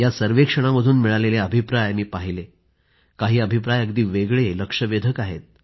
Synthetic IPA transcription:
jasəɾʋekʂəɽ̃aməd̪ʱuːnmiɭaleleəbʱipɾajmiːpaɦile | kaɦiːəbʱipɾajəɡd̪iːʋeɡɭeləkʂəʋed̪ʱəkaɦet̪̚

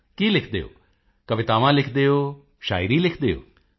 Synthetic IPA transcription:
kiːlɪkʰd̪eːo̰ː | kəʋɪt̪aːʋãːlɪkʰd̪eːoː | ʃa̰ːɪɾiːlɪkʰd̪eːo̰ː

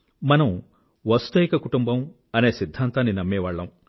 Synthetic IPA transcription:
mɐnɐm | ʋɐst̪ɐjikɐkuʈumbɐm | ɐne̞ːsid̪ʱːaːnt̪aːnːinɐmːɛːʋaːɭːɐm

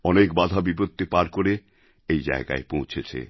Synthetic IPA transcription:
ɔnekbad̪ʱabipot̪ːipaɾkoɾe | ejd͡ʑa̰eɡa̰epõw̃t͡ɕʰet͡ɕʰḛ

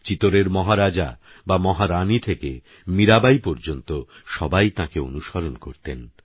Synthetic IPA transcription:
t͡ɕit̪oɾeɾmɔɦaɾad͡ʑa | bamɔɦaɾanit̪ʰeke | miɾabajpɔɾd͡ʑont̪oʃɔbajt̪ãkeo̰nuʃaɾonkoɾt̪en

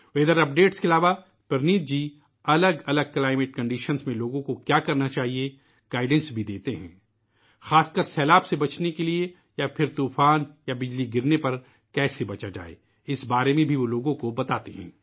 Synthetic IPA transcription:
ʋeːd̪əɾɐp̚ɖeːʈskeɐlaːʋa | pɐɾniːt̪̚d͡ʒiː | ɐləɡɐləɡ̚klaːɪmɪʈ̚kɐ̃ɳɖiːʃənsmẽloːɡõkokjaːkɐɾnat͡ʃaːɦie | ɡ̥aːɪɖə̃nsbʱid̪eːt̪eɦɛ̰̃ː | xaːskəɾsɛːlaːbsebɐt͡ʃnekelie | japʰɪɾt̪uːfaːnjabɪd͡ʒliɡɪɾnepɐɾ | kɛːsebɐt͡ʃad͡ʒa̰ːḛː | ɪsbaːɾemẽbʱiʋoloːɡõkobɐt̪aːt̪eɦɛ̰̃ː

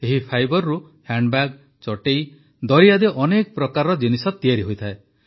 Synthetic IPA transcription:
eɦipʰajbɔɾːu | haɳɖbaɡ | t͡ʃɔʈej | d̪ɔɾiad̪eʔɔnekɔpɾɔkaɾɔd͡ʒinisɔt̪iaɾiɦojt̪ʰae

